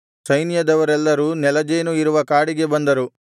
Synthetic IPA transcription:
sɐjnijɐd̪ɐʋɐɾɛlːɐɾunɛlɐd͡ʒeːnuiɾuʋɐkaːɽiɡe̞bɐnd̪ɐɾu

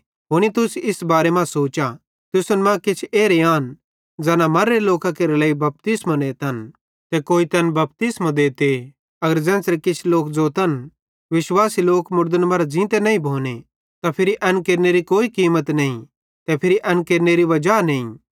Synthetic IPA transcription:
ɦoːñit̪ʊsɪsbaːɾemãsoːt͡ʃa | t̪ʊsʊnmãkɪt͡ʃʰeːɾeaːn | d͡zɛːnamɐɾːeloːkakeːɾelaːibɐp̚t̪ɪsmãneːt̪ɐn | t̪ɛkoːit̪ɐnbɐp̚t̪ɪsmãd̪eːt̪e | ɐɡəɾd͡zɛ̃ːnsɾekɪt͡ʃʰloːkd͡zoːt̪ɐn | ʋɪʃwaːsiloːkmʊɾd̪ənmɐɾad͡ʒĩːt̪enɐːĩbʱoːne | t̪apʰɪɾiʔɐnkeːɾneɾikoːikiːmət̪nɐĩ | t̪ɛpʰɪɾiʔɐnkeːɾneɾiʋɐd͡ʒaːnɐĩ

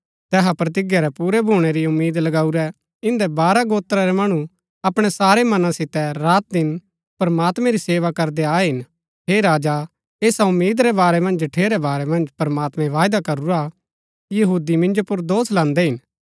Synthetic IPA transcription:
t̪ɛːɦapɾɐt̪̬ɪɡjaɾɛpuːɾɛbʱuːɽ̃ɛɾiʊmːiːd̪lɐɡaːuɾɛ | ɪ̃nd̪ɛbaːɾaɡoːt̪ɾaɾɛmɐɽ̃u | ɐpɽ̃ɛsaːɾɛmɐnãsɪt̪ɛɾaːt̪̚d̪ɪn | pɐɾɐmaːt̪mɛ̃ɾiseːʋakɐɾd̪eaːɛɦɪn | ɦeːɾaːd͡ʒa | eːsaʊmːiːd̪ɾɛbaːɾɛmɐ̃nd͡ʒʈʰeːɾɛbaːɾɛmɐ̃nd͡ʒpɾmaːt̪mɛ̃ʋaːjd̪akɐɾuɾa | kijɐɦuːd̪imɪ̃nd͡ʒopʊɾd̪oːslãːnd̪ɛɦɪn

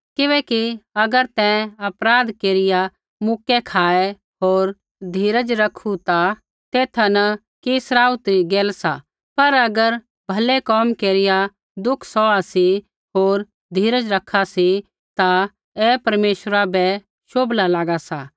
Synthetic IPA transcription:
kɪʋɛ̃ːkiɐɡəɾt̪ɛ̃ɐpɾaːd̪keːɾɪja | mʊkːɛkʰaːɛ | ɦoːɾ | d̪ʱiːɾəd͡ʒɾɐkʰut̪a | t̪eːt̪ʰanɐ | keːsɾaːut̪ɾiɡeːlsa | pɐɾɐɡəɾ | bʱɐlɛkɔːmkeːɾɪja | d̪ʊkʰsɔasi | ɦoːɾ | d̪ʱiːɾəd͡ʒɾɐkʰːasi | t̪a | ɛːpɐɾmeːʃəɾabɛ | ʃoːblalaːɡasa

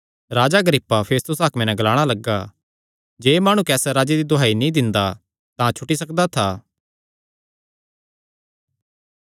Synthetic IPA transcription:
ɾaːd͡ʒaɡəɾiːpːapʰeːst̪ʊsɦaːkmẽnɛ̃ɡɐlaːɽ̃alɐɡːa | d͡ʒeːmaːɽ̃ukɛːsɛɾaːd͡ʒed̪id̪oɦaːinĩd̪ɪ̃nd̪a | t̪ãt͡ʃʰʊʈisɐkd̪at̪ʰaː

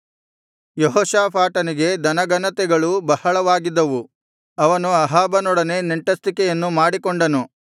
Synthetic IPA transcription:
jɔɦɔːʃaːpʰaːʈɐniɡe̞d̪ɐnɐɡɐnɐt̪ɛɡɐɭubɐhɐɭɐʋaːɡid̪ːɐʋu | ɐʋɐnuɐɦaːbɐnɔɽɐne̞neɳʈɐst̪ikɛjɐnːumaːɽikoɳɖɐnu

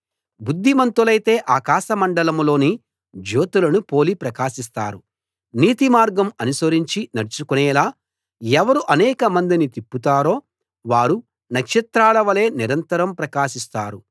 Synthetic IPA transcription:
bud̪ʱːimɐnt̪ulɐjt̪e̞ːʔaːkaːʃɐmɐɳɖɐlɐmlo̞ːni | d͡ʒoːt̪ulɐnupo̞ːlipɾɐkaːʃis̬t̪a̰ːɾu | niːt̪imaːɾɡɐmɐnusɐɾiɲt͡ʃinɐɾt͡ʃukunɛːlaː | ɛʋɐɾuʔɐnɛːkɐmɐnd̪init̪ipːut̪aːɾo̞ː | ʋaːɾu | nɐkʂɐt̪ɾaːlɐʋɐle̞ːniɾɐnt̪ɐɾɐmpɾɐkaːʃist̪aːɾu

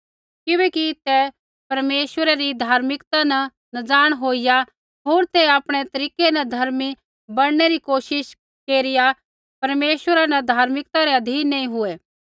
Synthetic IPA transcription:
kɪbɛːkit̪ɛ | pɐɾmeːʃʋəɾɛɾid̪ʱaːɾmɪkt̪anɐ̃ | nɐd͡zaːɽ̃ɦoːɪja | ɦoːɾt̪ɛaːpɽ̃et̪ɐɾiːkenɐd̪ʱɐɾmi | bɐɽ̃neɾikoːʃɪʃ | keːɾɪja | pɐɾmeːʃʋəɾanɐd̪ʱaːɾmɪkt̪aɾeɐd̪ʱiːnːeĩɦʊɛ

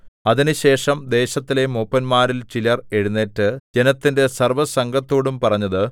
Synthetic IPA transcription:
ɐðinɨɕe̞ːʂɐmd̪e̞ːɕɐt̪ːile̞mopːɐnmaːɾilt͡ɕilɐre̞ɻunːeːtːɨd͡ʑe̞nɐt̪ːinde̞sɐrʋɐsɐŋɡʱɐt̪ːoːɽumpɐrɐɲːɐðɨ

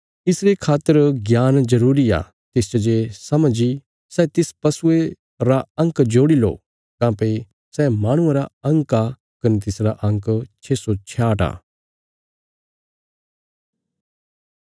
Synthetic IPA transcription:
ɪsɾekʰaːt̪ːəɾɡjaːnzɐɾuːɾia̰ | t̪ɪst͡ʃɐd͡ʒesɐmd͡ʒi | sɛt̪ɪspɐsʊe | ɾaɐ̃ŋkd͡ʒoːɽilo̰ | kãːpɐi | sɛːmaːɽ̃ʊ̃ãɾaɐ̃ŋka | kɐnt̪ɪsɾaʔɐ̃ŋkt͡ʃʰeːsot͡ʃʰjaːʈa̰ː

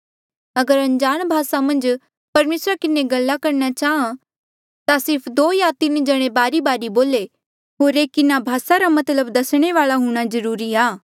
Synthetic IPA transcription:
ɐɡəɾɐ̃ɲd͡ʒaːñbʱaːsamɐ̃nd͡ʒ | pɐɾmeːsɾakɪneɡɐlːakɐɾnat͡ʃaːã | t̪asɪɾpʰd̪oːjaːt̪ɪnd͡ʒɐɽ̃ebaːɾibaːɾiboːle | ɦoːɾeːkɪnabʱaːsaɾamɐt̪ləbd̪ɐsɽ̃eʋaːɭaɦuɽ̃azɐɾuːɾiaː

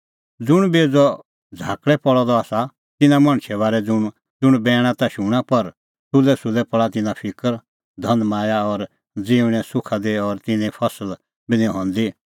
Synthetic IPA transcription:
d͡zʊɽ̃beːd͡zɔ | d͡zʱaːkɽɛpɔɭɔd̪ɔaːsa | t̪ɪnãmɐ̃ɽ̃ʃʰɛβaːɾɛd͡zʊ | d͡zʊɽ̃bɛːɽ̃ãt̪aʃuɽ̃apɐɾ | t̪ʊlɛsʊlɛpəɭat̪ɪnãpʰɪkəɾ | d̪ʱɐ̃nmaːjaɔɾ | d͡ziːʋɽ̃ɛ̃sʊkʰad̪iɔɾt̪ɪnɛ̃pʰɐsəl | bɪnɛ̃ɦɔ̃nd̪i

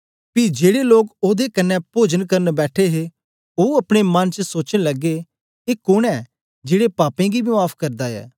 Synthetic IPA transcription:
pid͡ʒeːɽeloːkoːd̪ekɐnːɛpoːd͡ʒənkɐɾənbɛːʈʰeɦe | oːɐpɽ̃emɐ̃nt͡ʃəsoːt͡ʃənlɐɡːe | eːkʊɽɛː | d͡ʒeːɽepaːpẽɡibʱiaːpʰkɐɾd̪aɛ̰ː

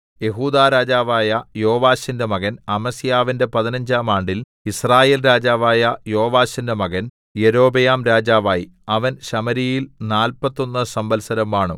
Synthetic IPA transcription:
je̞ɦuːd̪aːɾaːd͡ʑaːʋaːjɐjo̞ːʋaːɕindemɐɣɐnɐmɐsijaːʋinde̞pɐðinɐɲd͡ʑaːmaːɳɖil | israːjeːlɾaːd͡ʑaːʋaːjɐjo̞ːʋaːɕindemɐɣɐn | jeɾo̞ːbɐjaːmɾaːd͡ʑaːʋaːji | ɐʋɐnɕɐmɐɾijilnaːlpɐt̪ːo̞nːɨsɐmbɐlsɐɾɐmaːɳɨ̰

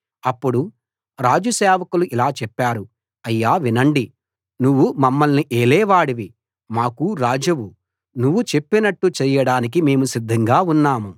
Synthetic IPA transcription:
ɐpːuɽu | ɾaːd͡ʒusɛːʋɐkuluʔilaːt͡ʃɛpːaːɾu | ɐjːaːʋinɐɳɖi | nuʋːumɐmːɐlniʔeːlɛːʋaːɽiʋi | maːkuɾaːd͡ʒɐʋu | nuʋːut͡ʃe̞pːinɐʈːut͡ʃɛːjɐɽaːnik̬ime̞ːmusid̪ʱːɐŋɡaːunːaːmu

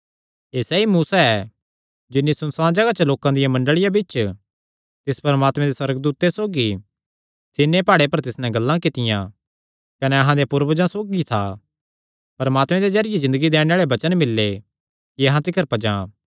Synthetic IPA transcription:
eːsɛimuːsaɛ | d͡ʒɪnːisʊnsãːd͡ʒɐɡat͡ʃəloːkãd̪ɪjãmɐ̃ɳɖəɭɪjabɪt͡ʃ | t̪ɪspɐɾəmaːt̪mẽd̪eswɐɾəɡd̪uːt̪ːesoːɡi | sɪnːepaːɽepɐɾt̪ɪsnɛ̃ɡɐlːãkɪt̪ɪjã̰ | kɐnɛɐɦãd̪epʊɾbəd͡ʒãsoːɡit̪ʰa | pɐɾəmaːt̪mɛ̃d̪ed͡ʒɐɾɪjezɪ̃nd̪əɡid̪eːɽ̃eaːɭebɐt͡ʃənmɪlːe | kiɐɦãt̪ɪkʰəɾpɐd͡ʒãː

